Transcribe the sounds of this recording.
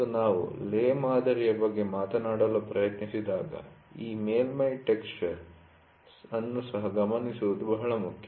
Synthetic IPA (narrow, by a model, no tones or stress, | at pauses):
unaːʋṵleːmaːd̪ʱɐɾijɐbɐɡːe̞maːt̪ɐnaːɽɐlupɾɐjɐt̪nisid̪aːɡɐ̰iːmeːlmɐjʈeksʈɐɾ | sɐnːusɐɦɐɡɐmɐnisuʋud̪ubɐɦɐɭɐmukʰjɐ